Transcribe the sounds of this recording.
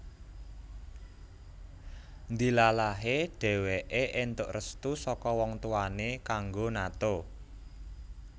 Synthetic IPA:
nd̪i̤lalaɦeɖ̥ɛ̤weʔeʔɪnt̪ʊʔrəst̪usɔkɔwɔŋt̪uanekaŋɡonat̪o

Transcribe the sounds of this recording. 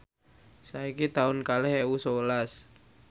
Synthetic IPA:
saikit̪aʊnkalɛhewusowəlas

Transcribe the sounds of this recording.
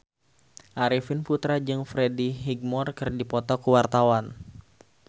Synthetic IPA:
ʔaɾifɪnput̪ɾad͡ʒɨŋfɾediɦiɡ̚mɔrkɨrdipɔt̪ɔkuwart̪awan

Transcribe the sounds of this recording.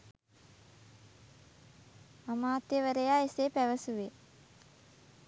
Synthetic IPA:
amaːt̪jəʋəɾəjaːesepæʋəsuʋe

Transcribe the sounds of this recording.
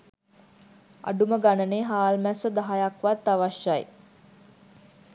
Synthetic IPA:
a̰ɖuməɡanəneːɦaːlmæsəd̪aɦajakʋat̪ːaʋaʃːaj

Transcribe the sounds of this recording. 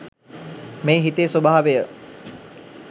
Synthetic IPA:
meːɦit̪eːsobaːaʋejə

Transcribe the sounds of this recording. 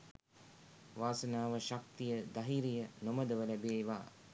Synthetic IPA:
ʋaːsənaːʋəʃak̚t̪ijəd̪aɦiɾijənoməd̪əʋəlæbeːʋa̰ː

